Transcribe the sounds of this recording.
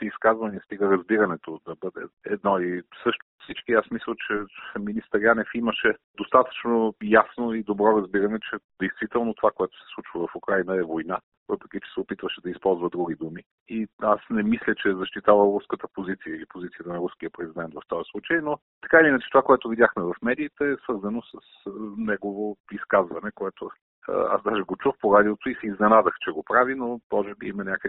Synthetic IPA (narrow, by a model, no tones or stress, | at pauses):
t̪ɛiskazvɐniəst̪iɡəɾɐzbiɾənɛt̪od̪ɐbɤd̪ɛ̰ɛd̪nɔisɤʃt̪ʊfsit͡ʃkiasmisˠət͡ʃɛfɛminist̪əɾjanɛfiməʃɛd̪ost̪at̪ə̥t͡ʃnojasnoid̪obɾɔɾɐzbiɾɐnɛt͡ʃɛd̪ɛjst̪vit̪ɛlˠnot̪ovakoɛt̪ʊ̥sɛ̥slˠut͡ʃvəvɐfukɾajnəɛvojna | vɤpɾɛk̟ʲit͡ʃɛ̥sɛopit̪vəʃɛd̪ɐispɔlˠzvəd̪ɾuɡ̟id̪umi | iasnɛmislʲət͡ʃɛzɐʃt̪it̪avəɾuskət̪əpozit̪sijəilipozit̪sijət̪ənɐɾusk̟iəpɾɛzid̪ɛnt̪vɐft̪ɔjəslˠut͡ʃəjno | t̪ɐ̥kaiinət͡ʃɛ̥t̪ovakoɛt̪ʊvid̪ʲjaxmɛvɐfmɛd̪iːt̪ɛɛsvɤɾzɐnosəsənɛɡovoiskazvɐnɛkoɛt̪o | ə̰a̰sd̪aʒɛɡot͡ʃuxpoɾad̪iot̪oisɛiznɛnad̪əxt͡ʃɛɡopɾavinob̪ɔʒɛbiimɐnʲakə